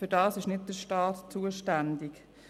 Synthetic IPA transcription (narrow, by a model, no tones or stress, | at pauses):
fydɑːsɪʃnɪd̚d̥əʃtɑːtt͡suːəʃtændɪk